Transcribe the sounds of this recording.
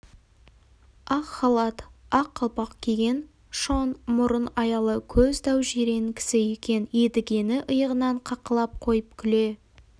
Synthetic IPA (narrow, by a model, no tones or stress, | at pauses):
ɑqχɑlˠɑt̪ɑqʰːɑlˠpɑqkʲʰe̞ɡʲe̞n | ʃonmʊɾənɑjɑlˠəkʲʰɵzd̪ɑwʒeɾe̞ŋkʲɪ̥sɪe̞kʲe̞ned̪ɪɡʲe̞nɪʔəjəʁənɑɴqʰɑqəlˠɑp̚qʰo̞jəp̚kʲʰʏle̞